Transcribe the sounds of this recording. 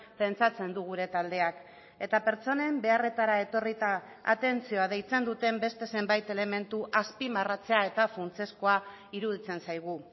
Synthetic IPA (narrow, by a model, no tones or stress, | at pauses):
pe̞nt͡sat͡se̞nd̪uɣ̞uɾe̞t̪ald̪e̞ak | e̞t̪ape̞ɾt͡so̞ne̞mbe̞are̞t̪aɾae̞t̪o̞rit̪a̰ː | t̪e̞nt͡sio̞að̞e̞jt͡se̞nd̪ut̪e̞mbe̞st̪e̞se̞mbajt̪e̞le̞me̞nt̪uʔaspimarat͡se̞ae̞t̪afunt͡se̞sko̞a | iɾuð̞it͡se̞nsajɣ̞u